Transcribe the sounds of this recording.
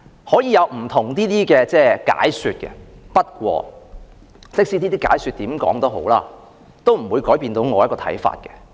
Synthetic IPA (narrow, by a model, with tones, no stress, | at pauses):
hɔː˨˥jiː˨˧jɐ˨˧wm̩˨˩t̪ʰʊ˨˩ŋt̪iː˥t̪iː˥kɛː˧t͡sɛː˥˩ka̰ː˨˥jsyː˨˧t̚kɛ̰˧pɐ˥t̚kʷɔ̰ː˧ | sɪ˥k̚siː˥t̪iː˥t̪iː˥kaː˨˥jsy˧t̪̚iː˨˥mkɔ̰ː˨˥ŋt̪o˥who̰˨˥wlaː˥ | t̪o˥wm̩˨˩wuː˨˧jkɔː˨˥jpiː˧nt̪o˨˧wŋɔː˨˧jɐ˥kɔː˧tʰɐ̰˨˥jfa̰ː˧t̚kɛ˧